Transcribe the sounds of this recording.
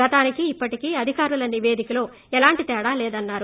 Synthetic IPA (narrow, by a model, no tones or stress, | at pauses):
ɡɐt̪aːnikiːpːɐʈikiɐd̪ʱikaːɾulɐniʋeːd̪ikɐloː | ɛlaːɳʈit̪ɛːɽaːlɛːd̪ɐnːaːɾu